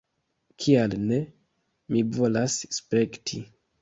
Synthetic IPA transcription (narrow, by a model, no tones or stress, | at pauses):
kʰialne̞ | mivo̞lasspɾe̞ktʰi